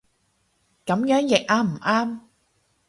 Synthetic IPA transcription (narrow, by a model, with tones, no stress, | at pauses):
kɐ˨˥mjœː˨˥ŋjɪ˨k̚ʔaː˥m̩˨˩ʔaː˥m